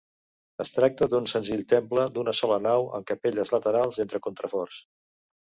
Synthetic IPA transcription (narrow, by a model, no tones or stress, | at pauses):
əst̪ɾak̚t̪əd̪unsənziʎt̪empləd̪unəsɔlənawə̰ŋkəpeʎəzlət̪əɾalˠzent̪ɾəkunt̪ɾəfɔrs